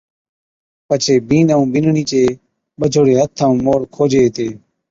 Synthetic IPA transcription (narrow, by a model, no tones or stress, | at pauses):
pət͡ʃʰeːbiːnəũːbɪnɳiːt͡ʃeː | ɓəd͡ʒʱoːɽeːɦət̪ʰːaũːmoːɽkʰoːd͡ʒeːt̪eː